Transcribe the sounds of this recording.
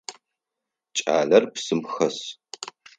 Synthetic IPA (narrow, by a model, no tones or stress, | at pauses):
t͡ʃʼa̰ːɮɐrpsɨmxɐs